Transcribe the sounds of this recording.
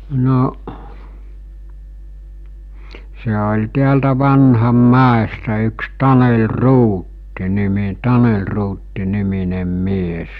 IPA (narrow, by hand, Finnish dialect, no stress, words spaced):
noʔ se olʲ tiæltæ ʋɑnhɑmːæestæ yks tɑnel ruːtːi nimi tɑnel ruːtːi niminem mies